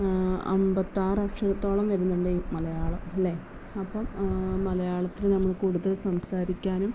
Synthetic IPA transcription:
ɐ̰mbɐt̪ːaːrɐkʂɐɾɐt̪ːo̞ːɭɐmʋɐɾunːuɳɖeimɐlɐjaːɭɐmɐlːe | ɐpːɐmmɐlɐjaːɭɐt̪ːilɨnɐmːɐɭkuːɽuðɐlsɐmsaːɾikʲːaːnum

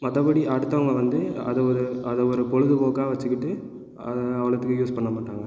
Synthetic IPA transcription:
mɐðɐpɐɽiʔɐɽɯt̪ːɐʋɐŋɡɐʋɐnd̪ɯɐ̰ðɐɔɾɯɐðɐɔɾɯpɔɻɯðɯpoːkaːʋɐt͡ʃːɯkːɪʈːɯ | ɐðɐʋɐɭɐt̪ːɯkːɯjuːspɐɳːɐmaːʈːaːŋɡɐ

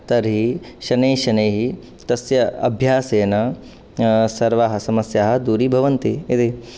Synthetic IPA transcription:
t̪ɐɾɦiʃɐneːʃɐneːɦi | t̪ɐsjɐɐ̰bʱjaːseːnɐ | sɐɾʋaːɦɐ̆sɐmɐsjaːɦɐ̆d̪uːɾibʱɐʋɐnt̪iit̪i

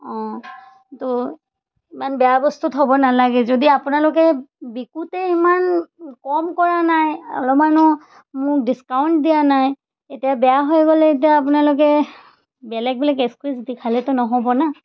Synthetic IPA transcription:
ɔ̃ | tɔ | imanbɛjabɔstutɦobɔnalaɡɛzodiapunalokɛbikutɛimankɔmkɔɹanajɔ̰lɔmanɔ | mʊk̚diskawnt̚dijanaj | etijabɛjaɦojɡɔlɛetijaːpʊnalʊk̬ɛ | bɛlɛk̚bilakeskwisdikʰalɛtɔnɔɦɔbɔna

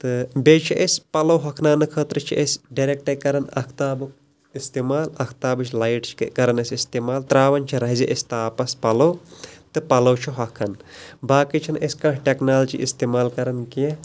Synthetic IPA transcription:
t̪ɨbeːt͡ʃʰiʔesʲpɐlowɦɐkʰnaːnɨkʰəːt̪ɾɨt͡ʃʰiʔesʲɖɐɾek̚ʈɐkɐɾɐnɐ̰kʰt̪aːbɨk | ist̪eːmaːlɐkʰt̪aːbɨt͡ʃʰlajʈt͡ʃʰkkɐɾɐnɐsʲist̪eːmaːlt̪ɾaːʋɐnt͡ʃʰiɾɐɦiziʔesʲt̪aːpɐspɐlowt̪ɨpɐlɐwt͡ʃʰiɦɐkʰɐnbaːkit͡ʃʰinʔesʲkɐ̃ːʈʰʈeknaːlt͡ʃḭʔḭst̪eːmaːlkɐɾɐnke

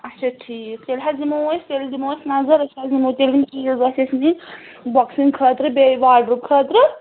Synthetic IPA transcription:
ɐt͡ʃʰaʈʰiːk̚t̪elʲɦazimosʲt̪eld̪imoːsnɐzɐɾɐt͡ʃʰazimot̪elimkizɐsesmi | bɔksiŋkʰət̪ɾɨbeʋaːɖɾup̚kʰət̪ɾɨ

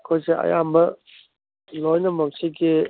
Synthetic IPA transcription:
kʰojseɐ̰jambɐ | lojnɐmaksiɡi

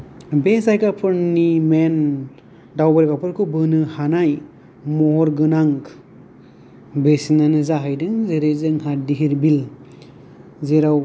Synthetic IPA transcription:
bezajkapʰɯɾnimen | dawbaɾkapʰɯɾkʰubɯnɯhanaj | mɔɾɡɯnaŋ | besinanɯzaɦajdɯŋzeɾezɯŋɦadiɦiɾbil | zeɾaw

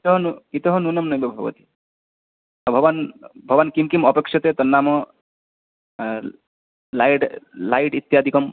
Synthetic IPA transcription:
kit̪ɔɦɔnukit̪ɔɦɔnunɐmnɔjbebʱɐ̰ʋɐ̰t̪i̥ | bʱɔʋanbʱɔʋankimkimɔpekʃɐt̪et̪ɔnːamɔ | lajʈlajʈit̪jaːd̪ʱikɔm

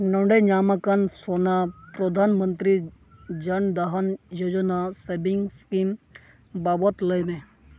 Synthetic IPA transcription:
noɳɖeɲaːməkansonapɾod̪ʱaːnmənt̪ɾi | d͡ʒɐnd̪aɦɐnjod͡ʒənasebiŋɡskim | babot̪ləjme

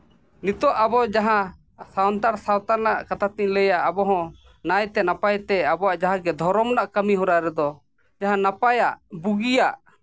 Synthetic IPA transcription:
nit̪ɔʔabɔd͡ʒaɦã | sawnt̪aɾsawt̪anaʔkat̪at̪iʔləjaʔabɔɦɔ̃ | najt̪ɛnapajt̪ɛabɔaʔd͡ʒaɦãɡɛd̪ʱɔɾɔmnaʔkəmiɦɔɾaɾɛd̪ɔ | d͡ʒaɦãnapajaʔbuɡijaʔ

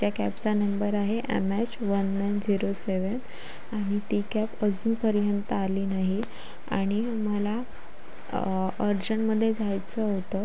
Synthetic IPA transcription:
t͡ɕjakæpsanəmbəɾaɦeʔḛmæt͡ɕʋənːajnd͡ziɾoseʋən | aɽ̃it̪ikapəd͡zuːnpəɾjənt̪əaliːnaɦi | a̰ɽ̃i | məla | əɾd͡ʑəɳməd̪ʱːjed͡zʱajt͡səɦot̪ə

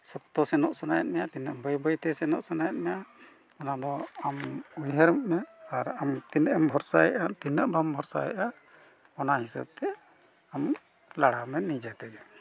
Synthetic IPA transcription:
sɔkt̪ɔsɛnɔʔsanaja̰t̪̚mɛjat̪inəʔbəjbəjt̪ɛsɛnɔʔsanajat̪̚mɛja | ɔnad̪ɔamujɦəɾmmɛaɾamt̪inəʔəmbʱɔɾsajɛʔat̪inəʔbɔmbʱɔɾsa̰jɛ̰ʔa | ɔnahisə̰b̚t̪ɛ | am | laɽamɛnid͡ʒat̪ɛɡɛ

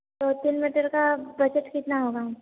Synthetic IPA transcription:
t̪oːt̪inmiʈəɾkabɐd͡ʒəʈkɪt̪naɦoːɡaɦ

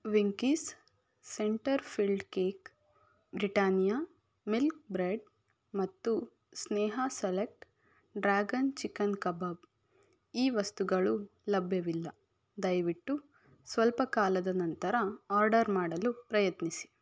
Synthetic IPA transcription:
ʋiŋkisː | eɳʈɐɾpʰilɖkeːk | bɾiʈaːnjaː | milk̚bɾeɖ | mɐt̪ːu | snɛːɦɐselek̚ʈ | ɖɾaːɡɐnt͡ʃikːɐnkɐbaːb | iːʋɐst̪uɡɐɭulɐbʱjɐʋilːɐ | d̪ɐjʋiʈːu | sʋɐlpɐkaːlɐd̪ɐnɐnt̪ɐɾɐaːɾɖɐɾmaːɽɐlupɾɐjɐt̪nisi̥

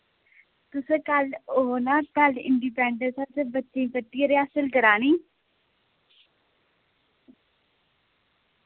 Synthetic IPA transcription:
t̪ʊsẽkəloɦonaːpalɖɪ̰ɳɖiːpɛ̃ːɳɖə̃nsat̪ebətːʃẽiːpət̪ːiːəɾeaːsəlkəɾaːnĩː

